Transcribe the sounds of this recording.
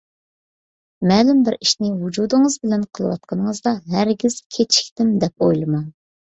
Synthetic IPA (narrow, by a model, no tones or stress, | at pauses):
mɛːlymbɪɾiʃnɪwud͡ʒud̪ɨŋəzbɪlɛnqʰəlˠɨwɑ̰t̪̚qʰɑnəŋəzd̪ɑɦæɾɡʲiz̥kʲʰet͡ʃʰi̥kʲt̪ɪmd̪ɛpojlˠɨmɑn